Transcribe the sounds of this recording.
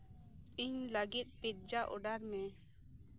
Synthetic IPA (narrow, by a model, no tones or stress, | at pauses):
iɲləɡit̪̚ˀpit̪̚ˀd͡ʒaʔɔ̰ɖaɾmɛ